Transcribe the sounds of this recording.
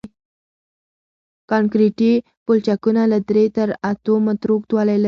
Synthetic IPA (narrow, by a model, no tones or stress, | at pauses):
kankɾiʈi | pult͡ɕakunalət̪ɾet̪əɾat̪omət̪ɾok̚t̪ʋalalə